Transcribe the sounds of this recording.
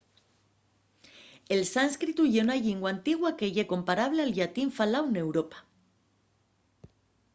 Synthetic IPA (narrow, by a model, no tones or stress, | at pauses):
elsanskɾit̪uʝeunaʎeŋɡwant̪iɣwakeʝeko̞mpaɾaβ̞lealʎat̪iɱfalawne̞wɾopḁ